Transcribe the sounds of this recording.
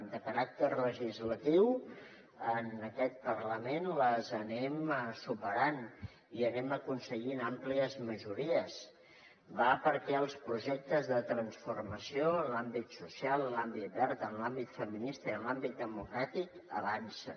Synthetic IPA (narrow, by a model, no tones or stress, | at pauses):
d̪əkəɾak̚t̪ərləʒizlət̪iw | ənəkɛt̪̚pərləmenləzənɛmsupəɾan | iənɛməkunsəɣinampliəzməʒuɾiəz | bapəɾkɛəlˠspɾuʒɛk̚t̪əzðət̪ɾənsfurməsiolambit̪susialˠːambit̪̚bɛɾt̪ənlambit̪fəminist̪əiənlambit̪̚d̪əmukɾat̪ikə̰βansə